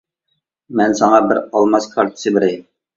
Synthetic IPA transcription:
mɛnsɑŋɑbɪɾɑlˠmɑskʰɑɾt̪ʰɨ̥sɨbɪɾɛɪm

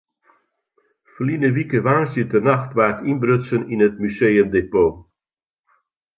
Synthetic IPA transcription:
flinəvikəvaːnsjətərnaxtvartinbɾøsəninətmyseːjəmdepoː

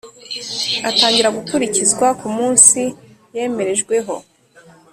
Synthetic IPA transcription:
ataːŋɟiɾaɡukuɾicizɡwakumuːnsije̞ːme̞ɾe̞ʒɡwe̞ɦo̞̰

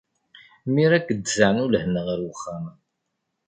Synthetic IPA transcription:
miɾækːəd̪zəʕnʊlhənːəʁəɾwəχːamə

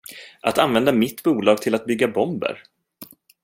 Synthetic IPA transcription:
ʔat̪anvɛnd̪amɪt̪ːbuːlɑːɡ̚t̪ʰɪlat̪̚bʏɡːabɔmbə̰ɾ

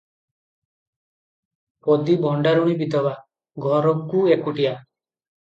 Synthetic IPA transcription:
pod̪ibʱɔɳɖaɾuɽ̃ibid̪ʱɔβa | ɡʱɔɾɔkuekuʈia

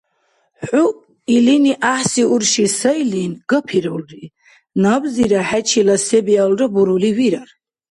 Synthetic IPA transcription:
u | iliniʔaħsiuɾʃisailinɡ̥apʰiɾɔlɾi | nabziɾaħæt͡ʃʰilasɛbialɾabuɾuliviɾaɾ

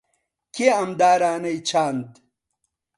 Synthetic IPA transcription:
keɐmd̪aːɾaːnɐjt͡ɕʰaːnt̪

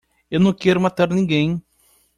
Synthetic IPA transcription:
ewnɐ̃w̃kɛɾʊmat̪aɾnĩɡẽj̃

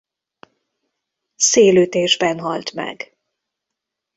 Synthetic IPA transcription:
seːløːt̪eːʒbɛnɦɒlt̪mɛ̰ɡ

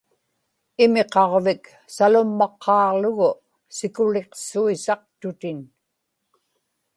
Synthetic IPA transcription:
ɪme̞qɑʁvɪk | salʊmːɑqʰːɑːlʊɣʊ | sɪkʊle̞qsuisɑq̚t̪ʊt̪ɪn

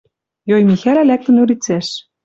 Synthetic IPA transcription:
jojmixælælæk̚t̪ɘ̆nuɾit͡sæʃ

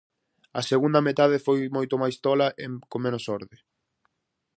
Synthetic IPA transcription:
ɐseɣund̪ɐmet̪aðefojmojt̪omajst̪ɔlɐʔekomẽnʊsɔɾðɪ

